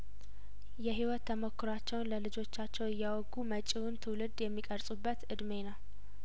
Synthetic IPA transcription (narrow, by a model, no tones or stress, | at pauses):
jɛɦiwɔt̪ʰːəmo̞kːʊɾat͡ʃːɛwnləlɨd͡ʒo̞t͡ʃːat͡ʃːɛwɪjːawɔɡumət͡ʃʼiwʊnt̪ʰɨwlɨd̪jɛmːikʼəɾsʼubːət̪ʔɨd̪me̞nəw